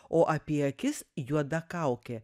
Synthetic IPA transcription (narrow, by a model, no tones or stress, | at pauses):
oːʔɐpʲiɛɐkʲɪsjuɔd̪ɐkɐˑʊkʲe